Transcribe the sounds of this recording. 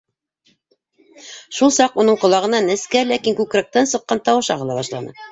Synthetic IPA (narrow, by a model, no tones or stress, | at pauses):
ʃulˠsɑqunɤɴqŏlˠɑʁɤ̆nɑnɘ̆skælækiŋkʉkɾæk̚t̪ænsɤ̆qːɑnt̪ɑwɤ̆ʃɑʁɤ̆lˠɑbɑʃlˠɑ̰nɤ̰